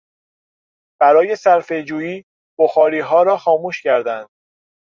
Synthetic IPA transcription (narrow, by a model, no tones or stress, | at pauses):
b̥æɾɒːje̞sæɾfe̞d͡ʒuːjiː | b̥oxɒːɾiːɦɒːɾɒːxɒːmuːʃcʰæɾd̪ænd̪̥̚